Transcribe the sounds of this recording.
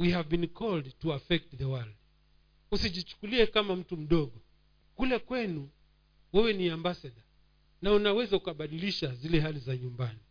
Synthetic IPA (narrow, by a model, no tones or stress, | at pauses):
wihavbinkʰɔldtuafɛk̚tðəwald | usiʄit͡ʃu̥kuliɛkamam̩tum̩ɗɔɠɔ | kulɛkwɛnu | wɛwɛniambasaɗa | naunawɛzaukaɓaɗiliʃazilɛɦalizaɲumbani